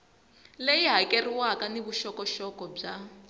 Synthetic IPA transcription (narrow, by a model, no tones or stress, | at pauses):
lejiɦakʼeriwakaniβuʃɔkɔʃɔkɔb͡ʐa